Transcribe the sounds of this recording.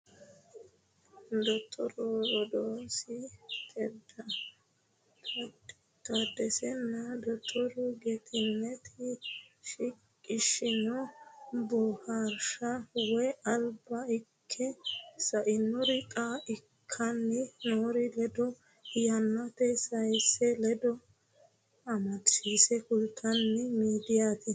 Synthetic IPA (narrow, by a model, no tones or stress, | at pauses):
d̪ɔt̪ʰːɔɾɔɾɔd̪oːsɪk̪ɛd̪ɐ | t̪ɐd̪ɛsɛnːɐd̪ɔt̪ʰːɔɾʊɡɛt̪ʰɪnːɛt̪ʰɪʃɪkʼːɪʃɪnɔbɔhɐɾʃɐwɔjɐlbɐɪkʰːɛsɐʔɪnːɔɾɪkʼaʔɪkʰːɐnːɪnoːɾɪlɛd̪ɔ | jɐnːɐt̪ɛsɐjsɛlɛd̪ɔ | ɐmɐtiːsɛkʊlk̪ʰːɐnːɪmiːd̪ɪjat̪ɪ